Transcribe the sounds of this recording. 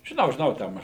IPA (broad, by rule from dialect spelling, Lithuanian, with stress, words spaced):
ʒʲɪˈnɐʊ ʒʲɪˈnɐʊ ˈtʲɛn